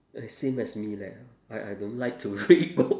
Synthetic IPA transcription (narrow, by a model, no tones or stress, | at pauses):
ɛsẽmɛsmila | aɪʔajdõntlaɪk̚tʰuɹit̚bo